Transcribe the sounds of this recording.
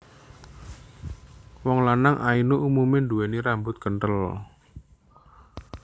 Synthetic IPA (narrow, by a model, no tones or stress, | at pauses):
wɔŋlanaŋʔainuʔumumɪndueniɾambʊt̪̚kənʈəl